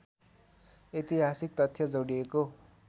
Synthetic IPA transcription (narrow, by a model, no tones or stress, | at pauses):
et̪iɦasik̚t̪ʌt̪ʰːjʌd͡zʌwɽieko